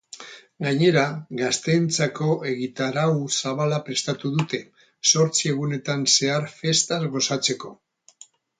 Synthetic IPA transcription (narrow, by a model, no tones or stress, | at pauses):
ɡaɲe̞ɾaɣast̪e̞nt͡sako̞e̞ɣit̪aɾawsaβ̞alapɾe̞st̪at̪uðut̪e̞ | so̞ɾt͡sie̞ɣ̞une̞t̪anse̞aɾfe̞st̪azɣo̞sat͡se̞ko̞